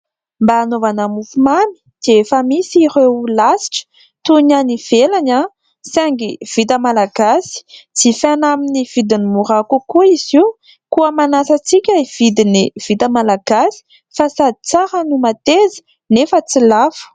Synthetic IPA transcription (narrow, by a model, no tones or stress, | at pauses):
mbaːnovanamufumami̥d̪̥eefəmisiɾeulasi̥ʈ͡ʂə̥ | t̪uɲaniv̥elaɲa | saŋɡiv̥it̪əmalaɡasi̥t͡sifanaminiv̥id̪inimuɾakukuiz̥i | kuəmanasət͡sikʲaiv̥id̪iniv̥it̪əmalaɡ̥asi̥ | fasad̪it͡saɾənumat̪ezi̥ | nefət͡silafu̥